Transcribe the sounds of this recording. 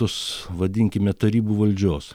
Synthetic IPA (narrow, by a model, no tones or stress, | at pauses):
ʊsʋɐd̪ʲɪŋʲkʲɪmʲɛt̪ɐɾʲiːbuːʋɐlʲd͡ʒʲoːs